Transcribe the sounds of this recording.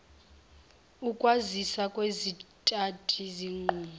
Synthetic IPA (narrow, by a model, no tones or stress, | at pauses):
ukʼwazisakʼwezitʼatʰʼiziŋ͡ǃuːma